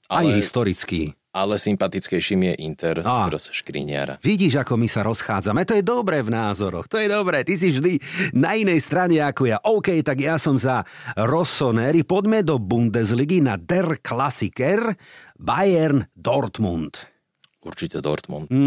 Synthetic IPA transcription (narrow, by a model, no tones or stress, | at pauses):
ajɦist̪ɔɾit͡skḭː | alɛsimpat̪it͡skɛjʃimijɛʔint̪ɛɾaɾɔsʃkɾḭɲɪa̰ɾa̰ʋiɟiːʒakɔmisaɾɔsxaːd͡zamɛt̪ɔjɛd̪ɔbɾɛvnaːzɔɾɔ̰xt̪ɔjɛd̪ɔbɾɛːt̪is̬ivʒd̪inainɛjst̪ɾaɲɛakɔjaʔɔʊkɛjt̪aɡjasɔmzaɾɔsɔnɛɾipɔd̪mɛd̪ɔbund̪ɛzliɡinad̪ɛrklasikɛɾbajɛɾnd̪ɔɾt̪munt̪ | uɾt͡ʃicɛd̪ɔ̰ɾt̪mṵnt̪